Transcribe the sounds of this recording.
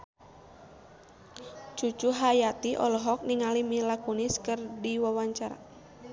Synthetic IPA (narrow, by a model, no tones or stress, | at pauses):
t͡ʃut͡ʃuɦajat̪iʔɔ̰lɔɦɔk̚niŋalimilakuniskɨrdiwawaɲt͡ʃaɾa̰